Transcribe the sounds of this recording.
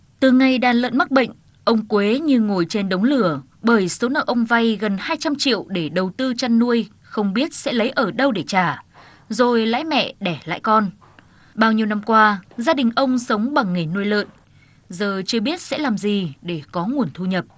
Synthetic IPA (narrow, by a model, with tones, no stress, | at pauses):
t̪ɨ˨˩ŋa˨˩jɗaː˨˩nlə̰˧˨nma˦˥k̚ɓə̰˧˨jŋ̟ | ʔə˧wŋ͡mkwe˨˦ɲɨ˧ŋo˨˩jt͡ɕe˧nɗə˨˦wŋ͡mlɨ˧˩ə | ɓəː˧˩jso˨˦naː˧˩ʔə˧wŋ͡mva˧jɣə˨˩nhaː˧jt͡ɕa˧mt͡ɕḭ˧˨əwɗe˧˩ɗə˨˩wt̪ɨ˧t͡ɕa˧nːu˧əj | xə˧wŋ͡mɓi˦˥ət̚sɛ̰˧˥lə˨˦jʔəː˧˩ɗə˧wɗe˧˩t͡ɕaː˧˩ | zo˨˩jla̰ː˧˥jmɛ̰˧˨ɗɛ˧˩la̰ː˧˨jkɔ˧n | ɓaː˧wɲi˧wna˧mkwaː˧zaː˧ɗï˨˩ŋ̟ʔə˧wŋ͡msə˨˦wŋ͡mɓa˨˩ŋːe˨˩nːu˧əjlə̰ː˧˨n | zəː˨˩t͡ɕɨ˧əɓi˦˥ət̚sɛ̰˧˥laː˨˩mzi˨˩ɗe˧˩kɔ˨˦ŋu˨˩ənt̪ʰu˧ɲə˨˩p̚